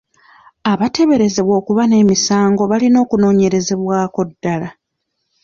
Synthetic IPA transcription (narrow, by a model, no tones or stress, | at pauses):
aβate̞βe̞ɾe̞ze̞βwo̞ːkuβane̞ːmisaːŋɡo̞βalino̞ːkuno̞ːɲe̞ɾe̞ze̞βwaːko̞dːala